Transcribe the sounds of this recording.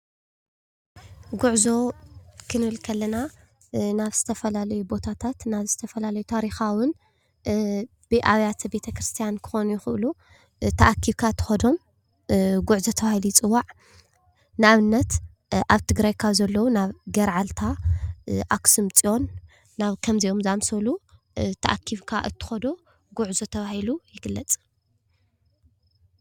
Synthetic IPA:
ɡuʕzo̞kʰɨnɨβɨlkʰɐlːɐna | naβz̥ɨt̪ʰɐfɐlalɐjubo̞t̪ʰat̪ʰat̪naβzɨt̪ʰɐfɐlalɐjut̪ʰaɾixawʊn | b̥ɨʔaβjat̪ʰbe̞t̪ʰɐkɾɨst̪ʰijankʰɨ̥xo̞nujɪxɨʔlu | t̪ʰɐʔakʰiβkʰat̪ʰɨ̥xɐd̪o̞m | ɡuʕzɐt̪ʰɐβahilujɪt͡sʼɨwːaʕ | nɨaβɨnːɐt̪ | ʔaβt̪ʰɨɡɾajkʰazɐlːɐwunaβɡɐɾʕalt̪ʰa | ʔaksɨmt͡sʼio̞nː | aβkʰɐmzijomzamsɐlu | t̪ʰɐʔakʰːiβkʰaʔɨt̪ʰːɨ̥xɐd̪o̞ | ɡuʕzɐt̪ʰɐβahilujɪɡɨlːɐt͡sʼ

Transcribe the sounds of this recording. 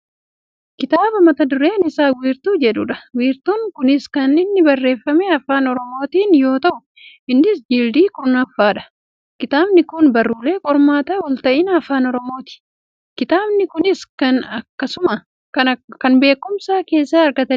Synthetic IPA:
kɪt̪aːbɐmɐt̪ɐd̪ʊɾe̞ːnɪsaːwiːɾt̪uːd͡ʒɛᶑʊᶑɐ̥wiːɾt̪uːŋkʊnɪskɐnɪnːɪbɐrːe̞ːfːɐmeːɐfaːnɔɾɔmo̞ːt̪iːnjo̞ːt̪ɐʔʊ | ɪnːɪsd͡ʒild̪iːkʊɾnɐfːaːᶑɐ̥ | kɪt̪aːbnɪkʊnbɐrːuːle̞ːkʼɔɾmaːt̪ɐwɔlt̪ɐʔɪnɐfaːnɔɾɔmo̞ːt̪ɪ̥ | kɪt̪aːbnɪkʊnɪskɐnɐkːɐsʊmɐ | ɐkɐnbe̞ːkːʊmsaːke̞ːsːaːɐɾɡɐt̪ɐ

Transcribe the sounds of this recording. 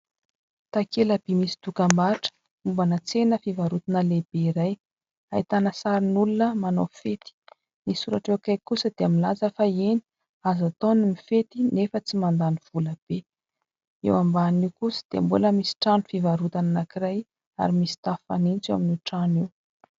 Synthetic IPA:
t̪akeləb̥imisi̥t̪ukambaʈ͡ʂə̥ | umbanət͡senəfivaɾut̪inəleb̥eiɾaj | ait̪anəsaɾinulunəmanofet̪i̥ | nisuɾaʈ͡ʂewakajkusəd̪̥eamilazəfaeni̥ | azat̪onimifet̪inefət͡simand̪aniv̥uləb̥e | ḛwambaniwkusə̥d̪̥eambuləmisi̥ʈ͡ʂanufivaɾut̪ananakiɾaj | a̰ɾimisi̥t̪afa̰nint͡sewa̰minuʈ͡ʂaniw

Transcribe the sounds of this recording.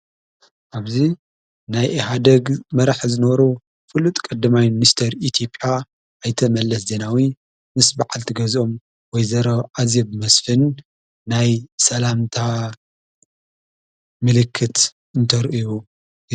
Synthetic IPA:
ʔaβzi | najʔɦad̪ɐɡmɐɾaħzɨnɐβɐɾu | fɨlut̪ʼkʼɐd̪ːɐmajminist̪ʰɐɾit̪ʰjo̞pʼja | ʔːjt̪ʰɐmɐlːɐsze̞nawi | mɨsbaʕalt̪ʰiɡɐzʔo̞m | wɔjzɐɾɐʔazebɨmɐsfɨnː | ajsɐlamt̪ʰa | mɨlɨkʰːɨt̪ | ɨnt̪ʰɐɾʔju

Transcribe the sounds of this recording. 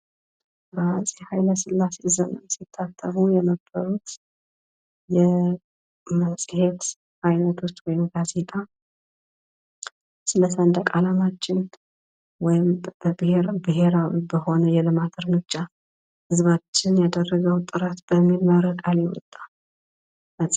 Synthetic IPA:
bəasʼehajləsɨlːase̞ɨzənəsit̪ʰːat̪ʰːəmujɛməbəɾut̪ | jɛ | məsʼɨhe̞t̪ | hajnət̪ʰost̪wɔjɪmɡaze̞t̪ʼa | sɨləsənd̪əkʼalamat͡ʃːɪn | wɔjɪmbɨeɾbɨɦe̞ɾawibəho̞nəjɛlɨmat̪ʰɨɾmɨt͡ʃːa | hɨzβat͡ʃːɪnjad̪ərːəɡəwt̪ʼːɨɾat̪b̥əmːilmaɾəɡʼalewɔ̰t̪ʼːa | mət͡sʼ

